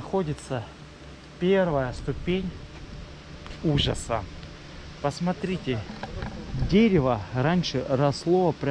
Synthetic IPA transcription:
xo̞dʲɪt̪sə | pʲe̞rvəjəst̪ʊpʲenʲ | uʐə̰sə̰ | pəsmɐt̪ɾʲitʲɪ | dʲeɾʲɪvəɾanʲʂɨrɐslˠo̞vəpɾʲ

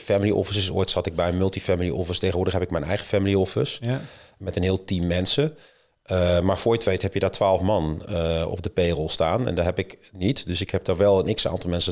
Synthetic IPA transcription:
familiʔɔ̰fəsəso̰ːjtsɑtɪɡ̚bɛjmʏlˠtifamilˠiʔɔfəsteːənʋʊːɹdəχɦɛpɪkmɛjnɛ̰jχəfamilˠiɔfəsmɛtənɦɪːlˠtimːɛnsə | əmaɹfoːjətʋeːthɦɛpjədaːtʰʋaːlˠfmɑnɔ̰b̚dəpeːrəlˠstaːnɛ̰ndaːɦɛpɪknitdøsɪkhɛp̚daɹʋɛlˠənɪksa̰ːntɔlˠmɛnsə

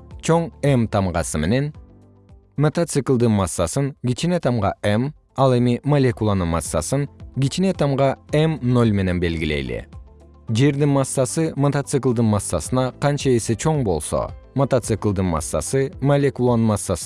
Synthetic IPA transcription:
t͡ʃʰoɴemt̪ʰɑmʁɑ̰sɯme̞̰ne̞n | mot̪at̪sɨklˠd̪ɯnmɑsːɑsɯŋɡʲit͡ʃinet̪ʰɑmʁɑʔem | ɑlˠe̞mimɐlʲekulˠanɯnmɑsːɑ̰sɯŋɡʲit͡ʃinet̪ʰɑmʁɑemno̞lʲme̞ne̞nbe̞lɡile̞̰jlḭ | d͡ʒe̞ɾd̪inmɑsːɑsɯmot̪at̪sɨklˠd̪ɯnmɑsːɑsɯnɑqɑnt͡ʃɑe̞se̞t͡ʃʰo̞ɴbo̞lˠso̞̰mot̪at̪sɨklˠd̪ɯnmɑ̰sːɑ̰sɯmolʲekulˠanɯnmɑsːɑs

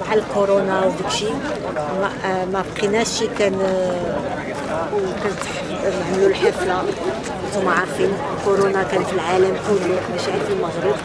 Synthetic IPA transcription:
maʕalkoɾonawd̪ikʃi | mæmæbqinæʃikæn | kænt̪ħ | nəʕməlulħəfla | maʕafin | koɾonakænfilʕaləmkullukbæʃiʕənd̪ilməɣɾəb

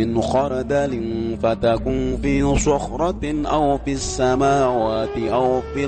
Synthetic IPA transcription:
ɪnxɑɾˤɑd̪alɪnfat̪akunfiːsʊxɾˤɑt̪ʔawfiasːamaːwaːt̪ɪʔawfi

